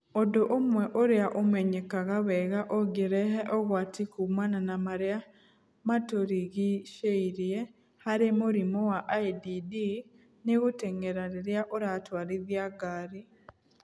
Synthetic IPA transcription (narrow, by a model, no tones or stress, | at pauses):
odoʔomwɛʔoɾeaʔomɛɲekaɣaβɛɣaʔoɡeɾɛɦeʔɔɣwaːtikumananamaɾea | matoɾiɣiʃeiɾje | haɾemoɾimowaʔaididi | neɣoteŋeɾaɾeɾjaʔoɾatwaːɾiðjaɡaːɾi